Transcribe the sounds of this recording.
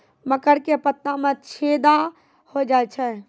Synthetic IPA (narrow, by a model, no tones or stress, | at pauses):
məkəɽkepət̪ːãmẽt͡ʃʰeːd̪a | hod͡ʒaːet͡ʃʰɛ